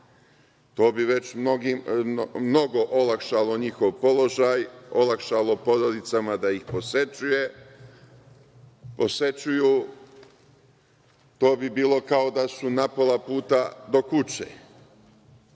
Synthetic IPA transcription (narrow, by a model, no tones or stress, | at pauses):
t̪o̞ːbiʋe̞t͡ɕmnoɡimno̞ɡo̞ʔolakʃalˠo̞ɲixoʋpo̞lˠo̞ʒajo̞lakʃalˠo̞po̞ɾod̪it̪samad̪aixposet͡ʃuje | pose̞t͡ɕuju | t̪o̞ːbibiːlˠo̞kao̞d̪asunapo̞lapuːt̪ad̪o̞kut͡ɕḛ